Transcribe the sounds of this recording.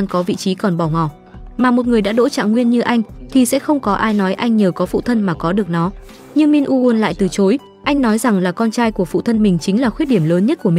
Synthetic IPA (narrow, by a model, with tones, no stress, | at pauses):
aː˧ŋkɔ˨˦vḭ˧˨t͡ɕi˨˦kɔ˨˩nɓɔ˧˩ŋɔ˧˩ | maː˨˩mo˨˩t̚ŋɨ˨˩əjɗa̰ː˧˥ɗo̰˧˥t͡ɕa̰ː˧˨ŋwi˧ənɲɨ˧ʔa˧jŋ̟t̪ʰi˨˩sɛ̰˧˥xə˧wŋ͡mkɔ˨˦ʔaː˧jnɔ˨˦jʔa˧jŋ̟ɲəː˨˩kɔ˨˦fṵ˧˨t̪ʰə˧nmaː˨˩kɔ˨˦ɗɨ˨˩ək̚nɔ˨˦ | ɲɨ˧ŋmi˧nʔu˧ʔu˧nla̰ː˧˨jt̪ɨ˨˩t͡ɕo˨˦j | ʔa˧jŋ̟nɔ˨˦jza˨˩ŋlaː˨˩kɔ˧nt͡ɕaː˧jku˧˩əfṵ˧˨t̪ʰə˧nmï˨˩ŋ̟t͡ɕï˨˦ŋ̟laː˨˩xwi˦˥t̚ɗi˧˩əmləː˨˦nɲə˦˥t̚ku˧˩əmi˨˩